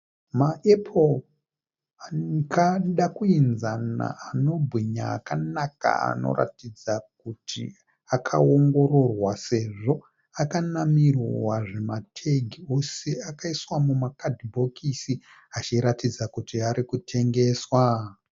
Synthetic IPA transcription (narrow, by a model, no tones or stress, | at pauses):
maʔepʰo | akaɗakuinzana̰ano̞bʱwiɲa̰ːkanaka̰a̰no̞̰ra̰tid͡zak̚utʰḭ | akʰao̞ŋɡo̞ɾo̞rwase̞ʐo̞ | akanamirwaʐe̞matʰeɡʱio̞se̞akaiswamumakadʱibʱo̞kisi | at͡ʃiɾatid͡zakutiaɾikutʰe̞ŋɡe̞ːswa